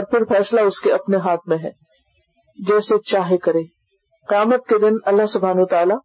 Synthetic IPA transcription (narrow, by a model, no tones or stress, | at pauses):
ɔːɾpɪɾfɛːslaʊskeɐpneɦaːt̪̚ʰmẽɦɛ̰ː | d͡ʒɛːset͡ʃaːɦekɐɾeː | qɪjaːmət̪̚ked̪ɪnɐlːaɦsʊbʱaːnowət̪aːlaː